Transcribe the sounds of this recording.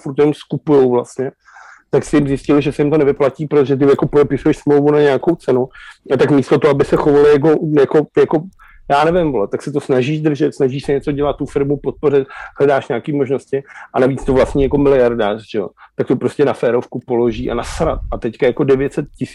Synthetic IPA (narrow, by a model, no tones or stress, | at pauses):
fuɾt̪jɛmskupujowvlast̪ɲɛ | t̪aksɪjɪmzjɪscɪlɪʒɛsɛjɪmt̪onɛvɪplaciːpɾot̪oʒɛt̪̬ɪjakopodɛpɪsujɛʃsmlowvunaɲɛakowt͡sɛnuat̪akmiːst̪ot̪oɦoʔabɪsɛxovalɪjak̬o̞jako̞jako̞ | jaːnɛvɪmvolɛt̪aksɛt̪o̞snaʒiːʃd̪r̩ʒɛt̪snaʒiːʃsɛɲɛt͡so̞ɟɛlat̪t̪ːufɪɾmupot̪̚po̞rɪt̪̚ɦlɛdaːʃɲaːkiːmo̞ʒno̞scɪʔanaviːt͡st̪ovlast̪ɲɛjako̞mɪlɪjaɾdaːrʒ̥ɛo̰t̪ak̚t̪opɾo̞scɛnafɛːɾofkupo̞lo̞ʒiːʔa̰nasɾat̪̚at̪ɛckajako̞dɛvjɛt̪sɛt̪cɪsi̥